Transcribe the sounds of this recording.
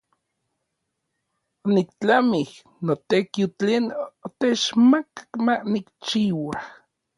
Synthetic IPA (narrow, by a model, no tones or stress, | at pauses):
onikt͡ɬamih | not̪ekiot͡ɬeːnot̪et͡ʃmakḁkmanikt͡ʃiːwah